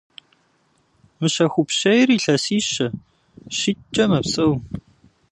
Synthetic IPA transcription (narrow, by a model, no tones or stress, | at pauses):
mɨɕɐxʷupɕɐjriːɬɐsiːɕɐ | ɕit͡ʃʼɐmɐpsʼɐw